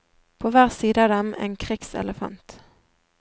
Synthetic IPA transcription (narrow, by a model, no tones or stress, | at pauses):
pʰoːʋæːʁsiːd̪əɑːd̪ɛmʔḛːnkʰʁɪksɛ̰ləfɑ̰nt̪